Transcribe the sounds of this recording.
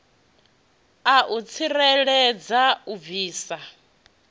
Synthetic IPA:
aʔut͡sʰiɾɛɺɛd͡zauviːsa

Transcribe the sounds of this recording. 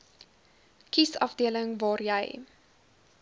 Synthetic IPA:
kisɐ̰fdiələŋvɑːrjɛj

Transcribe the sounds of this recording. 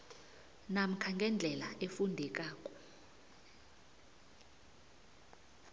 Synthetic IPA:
nam̩kʰaŋɡʱɛnd͡ɮʱɛlaʔefundʱɛk̬ʼaːkʼɔ̥

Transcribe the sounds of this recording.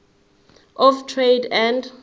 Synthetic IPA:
ʔɔftʰɹedɛ̃nd

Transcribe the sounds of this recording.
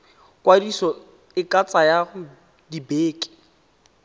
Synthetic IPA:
kʼwadisɔ | ɪkʼat͡sʼajaɣʊ | dibeːkʼɪ̥

